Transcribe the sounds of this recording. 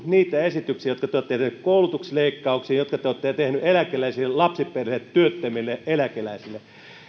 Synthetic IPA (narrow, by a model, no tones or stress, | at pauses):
niːt̪æesit̪yksiæjot̪̚kɑt̪eot̪ːet̪ehnykkoulut̪uksleikːɑuksiːnjot̪kɑt̪eoːt̪ːet̪ehnyʔelækelæisilːellɑpsiperheːt̪t̪yøt̪ːømilːeʔelækelæisilːˑe